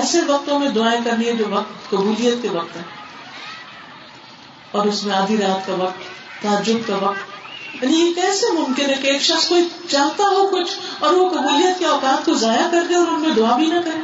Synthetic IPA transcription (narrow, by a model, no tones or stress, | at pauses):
ɛːseʋɐq̚t̪õmẽd̪ʊaːekɐɾnied͡ʒoːʋɐq̚t̪kɐbuːlijət̪̚keʋɐq̚t̪ɦɛː | ɔːɾʊsmẽaːd̪ʱiɾaːt̪kaʋɐq̚t̪ː | aːd͡ʒʊɡkaʋɐq̚t̪jaːnijekɛːsemʊmkɪnɦɛkeeːkʃɐχskoːit͡ʃaːɦt̪aɦokʊt͡ʃʰɔːɾʋokɐbuːlijət̪̚keɔːkaːt̪̚kozaːjakɐɾd̪eɔːɾʊnmẽd̪ʊaːbʱinɐkɐɾe